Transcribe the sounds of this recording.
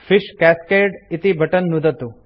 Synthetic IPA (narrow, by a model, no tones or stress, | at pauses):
fɪʃkæskeːɖɪt̪ibʱɐʈənːud̪ʱət̪u